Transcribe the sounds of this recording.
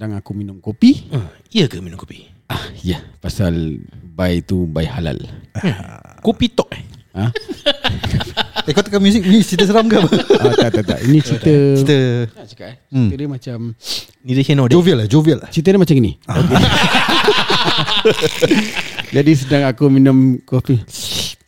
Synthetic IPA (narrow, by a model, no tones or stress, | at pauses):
daŋakuminʊ̃ŋkopiə | iəkəminʊ̃mkopi̥ʔahijapasalbajt̪ubajhala̰l | kopit̪ɔʔ̚ã | akot̪əkːamjuzik̚it͡ʃit̪əs̬əɾamɡaʔbaʔat̪at̪at̪a̰ʔḭnĩt͡ʃit̪ət͡ʃit̪əat͡ʃu̥kaʔɛt͡ʃiədəmat͡ʃam | nidəkenɔdoviəlad͡ʒoviəlat͡ʃit̪̬ədəmat͡ʃaminḭoke | d͡ʒadis̬ədaŋakuminʊ̃mkopi